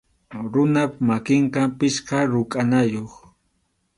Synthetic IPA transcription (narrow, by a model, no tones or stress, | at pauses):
ɾʊnapmakɪɴqɑpɪʃqɑɾʊkʼanajoχ